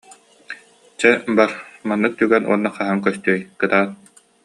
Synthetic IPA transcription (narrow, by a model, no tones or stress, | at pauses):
t͡ɕɛbaɾmanːɯk̚t̪yɡɛnʔṵɔnːaχaɦaŋkœst̪yːjkɯt̪aːt̪